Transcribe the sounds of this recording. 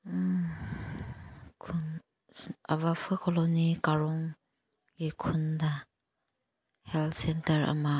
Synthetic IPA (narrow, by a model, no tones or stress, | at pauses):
kʰun | aβapʰakɔlonikaɾɔŋ | ɡikʰunda | hɛltsɛntɐɾa̰ma